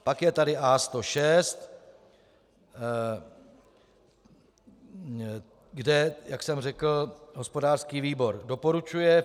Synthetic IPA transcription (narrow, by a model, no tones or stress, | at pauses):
pakjɛt̪adɪʔaːst̪o̞ʃɛst̪ | ɡdɛjaksɛmrɛkl̩ɦo̞spo̞daːr̥skiːviːbo̞ɾdo̞po̞ɾut͡ʃujɛ